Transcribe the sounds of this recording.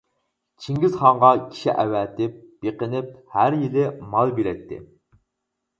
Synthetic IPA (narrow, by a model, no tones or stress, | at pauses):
t͡ʃʰiŋɡʲizχɑɴʁɑkʲʰi̥ʃḭʔɛwɛt̪ɪp̚b̥eqənɪp̚hæɾjilɪmɑlˠbeɾɛt̪ʰːɪ̰